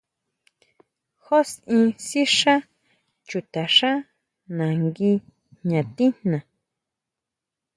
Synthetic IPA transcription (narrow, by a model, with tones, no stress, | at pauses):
xo˦sĩ˧si˦ʂã˦ | t͡ʃu˨t̪a˨ʂã˦ | nã˨ŋɡi˧ | ɲã˨t̪i˦n̥nã˨